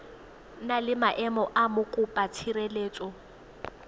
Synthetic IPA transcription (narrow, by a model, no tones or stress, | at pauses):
nalɪmaʔɛmɔʔamʊkʼʊpʼatʰiɾeleːt͡sʼɔ